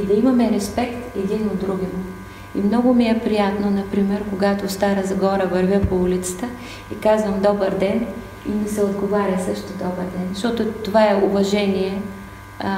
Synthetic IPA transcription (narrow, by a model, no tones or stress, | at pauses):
id̪ɐimɐmɛɾɛspɛkt̪ɛd̪inod̪ːɾuɡʲimʊ | ḭmnɔɡʊmiɛpɾijat̪nonɐpɾimɛɾkoɡat̪ost̪aɾəzɐɡɔɾəvɐɾvʲəpoulit̪sə̥t̪ə | ikazvəmd̪ɔbəɾd̪ɛn | ḭmɛsɛod̪ɡovaɾʲəsɤʃt̪od̪ɔbəɾd̪ɛnzʃt̪ɔt̪ot̪ovaɛʊvɐʒɛniɛ